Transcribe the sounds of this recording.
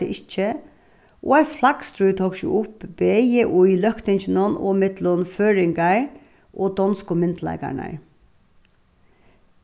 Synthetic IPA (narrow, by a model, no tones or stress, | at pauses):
əʔɪt͡ʃːə | ʔo̰ːæɪflaɡ̥st̪ɾʉːt̪ʰoːkʃjʊ̰ʔʊpbeəʔʊilœhkt̪ɪnçənɔnoːmɛd̪lʊmføːɹɪŋɡɑɹ | ʔoːd̪ɔnskʊmɪnt̪læ̰ɪka̰ɳə̰ɹ